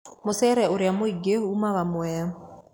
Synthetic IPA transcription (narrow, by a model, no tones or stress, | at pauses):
mosɛɾɛoɾeamoiɡeumaβamwɛa